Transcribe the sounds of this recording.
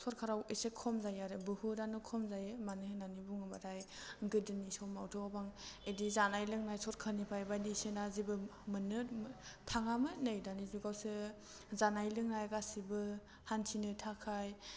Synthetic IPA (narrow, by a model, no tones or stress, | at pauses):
sʰɔɾ̚kʰaɾawesekʰɔmzajaɾɯbɯhudanɯkʰɔmzajɯmanɯɦɯnanibuŋɯbatʰajŋɡɯdɯnisɔwmawtʰɔɡabaŋedizanajlɯŋnajsɔɾkʰanipʰajbajdisenazibɯmɯnɯtʰaŋamɯnajdanizuɡawsɯ | zanajlɯŋnajɡasibɯ | hantʰinɯtʰakʰaj